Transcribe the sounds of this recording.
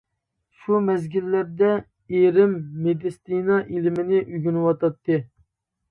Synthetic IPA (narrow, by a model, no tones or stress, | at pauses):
ʃumɛzɡʲilːæɾd̪ɛ | eɾɪmːed̪ɪst̪inɑʔilɪmɪnɪʔyɡʲynɨwɑt̪ʰɑt̪ʰːɨ